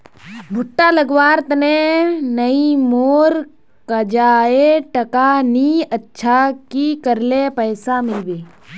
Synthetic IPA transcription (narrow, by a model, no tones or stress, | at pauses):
bʱʊʈːaləɡʋaːɾt̪ənenəimoːɾ | kəd͡ʒaːeʈəkaniətːʃʰakikəɾlepəːsamɪlbeː